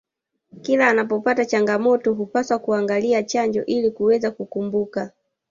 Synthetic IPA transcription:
kilaːnap̬ɔpatat͡ʃaŋɡamɔtɔɦupaswakuaŋɡaliat͡ʃaɲd͡ʒɔ̰ʔilikuwɛzakukumbuka

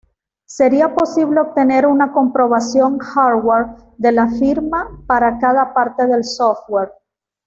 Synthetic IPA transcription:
se̞ɾiapo̞siβle̞ob̚t̪e̞ne̞ɾunako̞mpɾo̞β̞asjo̞ŋxaɾweɾ | ðe̞lafiɾmapaɾakaðapaɾt̪e̞ðe̞lsoft̪̚weɾ

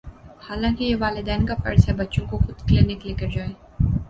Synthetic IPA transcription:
haːlãːkijeʋaːlɪd̪ɛːnkafɐ̰ɾsabɐtːʃõkoxʊd̪klɪnɪklɪkəɾd͡ʒaːeː

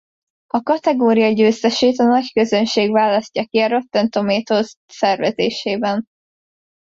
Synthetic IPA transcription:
ɒkɒt̪ɛɡoːɾijɒɟøːst̪ɛʃeːt̪ɒnɒckø̞zønʃeːɡvaːlɒscːɒkiɒɾo̞t̪ːɛnt̪o̞meːt̪os | sɛrvɛzeːʃeːbɛn

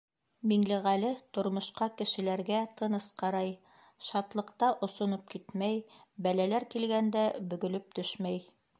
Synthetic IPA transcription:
miŋlɘʁælɘt̪ŏɾmŏʃqɑkɘ̆ʃɘ̆læɾɡæt̪ʰɤ̆nɤsqɑɾɑj | ʃɑt̪lˠɤ̆qt̪ɑʔŏsŏnop̚kit̪mæjbælælæɾkilɡænd̪æbɵ̆ɡɵ̆lɵp̚t̪ɵʃmæj

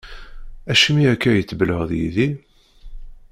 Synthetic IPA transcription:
æʃmiækːæjət͡sːbələʁðjḭði

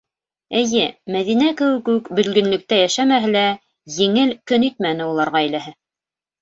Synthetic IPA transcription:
ɘ̆jɘmæðinækɘ̆wɘkʉɘkbɵ̆lɡɵ̆nlɵ̆k̚t̪æjæʃæmæɦɘlæ | jɘ̆ŋɘlkɵnit̪̚mænɘulˠɑɾʁɑæjlæɦɘ

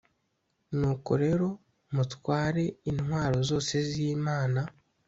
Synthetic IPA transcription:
nuːko̰ɾe̞ɾo̞ | mutwaːɾe̞inwaːɾo̞zo̞ːse̞ziːmaːna

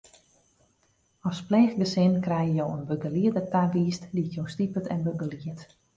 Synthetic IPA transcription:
ɔsplɛːxɡəsɪnkrɛjjəjowənbəɡəliədətaʋiːstdiətjowstipətɛnbəɡəliət

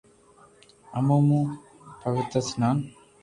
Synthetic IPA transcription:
ɐmomu | pɐʋit̪ɾɐsinaːn

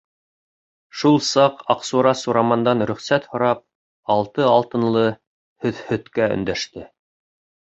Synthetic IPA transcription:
ʃulˠsɑqɑqsuɾɑsuɾɑmɑnd̪ɑnɾɵ̆χsæt̪hŏɾɑp̚ | ɑlˠt̪ɤɑlˠt̪ɤ̆nlˠɤ | hɵ̆ðhɵ̆t̪kæɵ̰̆nd̪æʃt̪ɘ

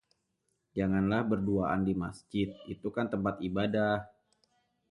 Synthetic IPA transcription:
d͡ʒaŋanlahbərduaʔa̰ndimasd͡ʒɪt̪̚it̪ukant̪əmpat̪ibadah

